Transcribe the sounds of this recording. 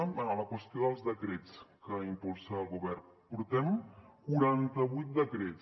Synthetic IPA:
ələkwəst̪ioðəlˠzðəkɾet͡skəimpulˠsaːlˠɣuβɛr | puɾt̪ɛmkuɾant̪əβujt̪̚d̪əkɾet͡s

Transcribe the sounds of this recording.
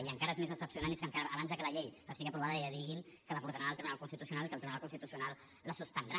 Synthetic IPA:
iəŋkaɾəezmezðəsəpsiunaneskəŋkaɾːβanzðəkələʎejəst̪iɣiəpɾuβaðəəðiɣinkələβuɾðəɾaəlˠt̪ɾiβunalkunst̪it̪usiunalˠikəlˠt̪ɾiβunalkunst̪it̪usiunalˠ | ləsust̪ənd̪ɾa

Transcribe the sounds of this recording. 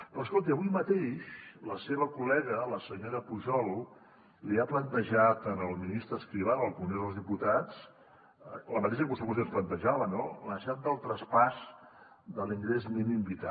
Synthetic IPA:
pɾɔəskolˠt̪̬iəβujmət̪eʃləseβəkulɛɣələsəɲoɾəpuʒɔl | liaplənt̪əʒat̪ənəlˠminist̪ɾəskɾiβ̞aəlˠkuunoðəlzðiput̪at͡s | ləmət̪eʃəkusəpuzensplənt̪əʒaβənoləʃat̪̚d̪əlˠt̪ɾəspaz | d̪əliŋɡɾezminimbit̪a

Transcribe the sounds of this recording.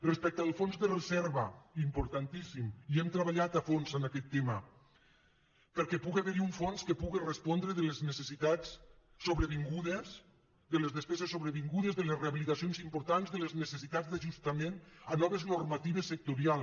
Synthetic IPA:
respɛk̚t̪əalˠfonzðərəzɛɾβaimpuɾt̪ant̪isimiɛmt̪ɾəβaʎat̪afonzənakɛt̪ːema | pəɾkɛpuɣeaβeɾiuɱfonskepuɣerespɔnd̪ɾeðəleznesesit̪asː | oβɾəβiŋɡuðes | d̪əlezðespɛzesːoβɾeβiŋɡuðezðəlesreaβilit̪asionzimpuɾt̪anzðəleznesesit̪ad͡zd̪aʒust̪amenanɔβeznuɾmat̪iβ̞esːek̚t̪uɾialˠ

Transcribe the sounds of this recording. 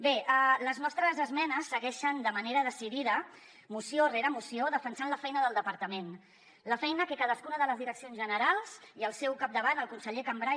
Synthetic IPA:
beʔələznɔst̪ɾəzəzmɛnəsːəɣɛʃənd̪əməneɾəðəsiðiðə | musioreɾəmusioðəfənsanləfɛjnəðəlˠd̪əpəɾt̪əmen | ləfɛjnəkəkaðəskunəðələzðiɾəksionzʒənəɾalˠz̥iəlˠsɛwkap̚d̪əβanəlˠkunsəʎekambɾa

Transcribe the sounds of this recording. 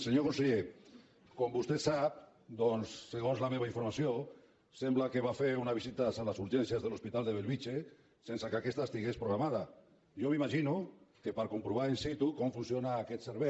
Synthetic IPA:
seɲokonseʎe | kombust̪et̪sap̚ | d̪onsːeɣ̞onzlameβaiɱfoɾmasjo | semblakeβafeɾunaβisit̪asalasuɾʒensjazðelospit̪ald̪eβelβit͡ʃe | sensakeakest̪aest̪iɣespɾoɣ̞ɾamað̞a | ʒomimaʒinukepaɾkompɾuβ̞aɾensit̪ukomfunsjonaːket̪seɾβe

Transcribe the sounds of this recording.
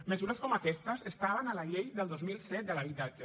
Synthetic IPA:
məzuɾəskɔmakɛst̪əzest̪aβənalaʎejðəlˠd̪ozmilˠsɛt̪̚d̪əlaβit̪ad͡ʒə

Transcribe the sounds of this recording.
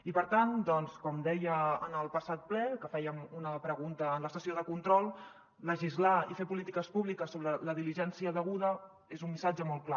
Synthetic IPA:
ipəɾt̪and̪ɔnskɔmd̪ɛjəənəlˠpəsat̪̚plɛkəfɛjəmunəpɾəɣunt̪əːnləst̪əsioðəkunt̪ɾɔlˠ | ləʒizlaifepulit̪ikəspuβlikəsːoβɾələðiliʒɛnsiəðəɣuðə | ezumːisad͡ʒəmɔlˠkla

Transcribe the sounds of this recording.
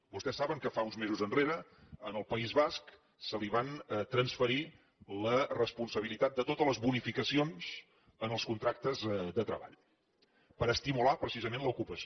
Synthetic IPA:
bust̪ɛsːaβəŋkəfaunzmezuzənreɾəːnəlˠpəizβask | səliβ̞ant̪ɾənsfəɾi | lərəspunsəβ̞ilit̪at̪̚d̪ət̪ot̪ələzβunifikəsionz̥ | ənəlˠskunt̪ɾak̚t̪əzðət̪ɾəβa̰ʎ | pəɾəst̪imulapɾəsizəmenləukupəs

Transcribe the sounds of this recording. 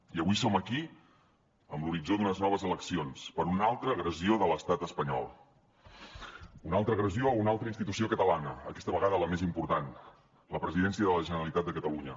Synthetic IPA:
iəβisoməki | əmbluɾid͡zod̪ðunəznɔβ̞əzələksionspəɾunalˠt̪ɾəːɣɾəzioðələst̪at̪əspəɲɔ̰lˠ | unalˠt̪ɾəːɣɾəziounalˠt̪ɾəinst̪it̪usiokət̪əlanəəkɛst̪əβəɣaðələmezimpuɾt̪an | ləpɾəziðɛnsiəðələʒənəɾəlit̪at̪̚d̪əkət̪əluɲə

